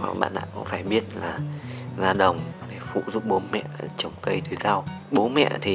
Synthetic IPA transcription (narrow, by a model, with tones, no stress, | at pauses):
wa̰˨˩k̚ɓa̰ː˧˨nɗa̰ː˧˨kṵ˧˥ŋ͡mfaː˧˩jɓi˦˥ət̚laː˨˩zaː˧ɗə˨˩wŋ͡mɗe˧˩fṵ˧˨zṵ˧˨ŋ͡m̚ɓo˨˦nmɛ̰˧˨t͡ɕə˨˩wŋ͡mk̪ə˧jt̪ɨ˨˦ka˧w | ɓo˨˦mɛ̰˧˨t̪ʰi˨˩